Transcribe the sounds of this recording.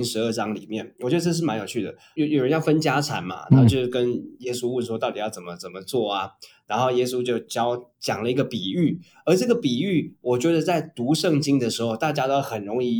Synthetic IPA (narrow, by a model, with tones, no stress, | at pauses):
nʂɻ̩˧˦ə˞˥˩ʈ͡ʂɑ˥ŋlḭ˨˩mjɛ˥˩nwɔ˨˩t͡ɕɥɛ˧˥d̪ə˧ʈ͡ʂʂ̬̩˥˩ma˧˥njʊt͡ɕʰy˥˩d̪ə̰˩˧˦jo˨˩ʊɻə˦njɑ˥˩ʊfə˦nt͡ɕja˥t͡sʰa̰˧˥nma̰˨t̪ʰa˥˧˩t͡ɕjo˥˧ʊ˥˧kə˦njɛ˥su˥˦wu˥˩nʂwɔ˥t̪ɑ˥˩ʊt̪i˨˩jɑ˥˩ʊt͡sə˨˩mə˦t͡sə˨˩mə˦t͡swɔ˥˩a˩na˧˦˥nxo˥˩ʊjɛ˥s̬u˦t͡ɕjo˥˧ʊt͡ɕjɑ˥ʊt͡ɕjɑ˨˩ŋlə˦i˧˥ɡə˧pi˨˩y˥˩ | ə˞˧˥ʈ͡ʂɤ˥˩ɡə˩pi˨˩y˥˩wɔ˨˩t͡ɕɥɛ˧˥d̪ə˧t͡sa˥˩ɪt̪u˧˥ʂɤ˥˨ŋt͡ɕi˥ŋd̪ə˨ʂɻ̩˧˥xo˥˧ʊt̪a˥˩t͡ɕja˥t̪o˥ʊxə˨˩nɻʊ˧˥ŋi˥